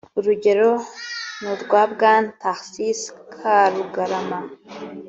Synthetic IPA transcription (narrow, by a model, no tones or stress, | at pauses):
ɾuɟʲeɾonud̪ɡʷabɡant̪ʰaxsiskʰaɾuɡɐɾama